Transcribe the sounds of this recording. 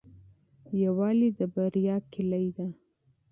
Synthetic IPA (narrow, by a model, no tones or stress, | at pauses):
jawɑlid̪əbaɾjɑkɪlajd̪a